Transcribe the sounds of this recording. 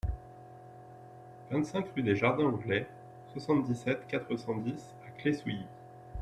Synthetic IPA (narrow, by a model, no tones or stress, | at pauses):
vɛ̃t̪sɛ̃kʁyd̪eʒaʁd̪ɛ̃ɑ̃ɡlɛ | swasɑ̃t̪̚d̪isɛt̪kat̪χəsɑ̃d̪is | akleswiji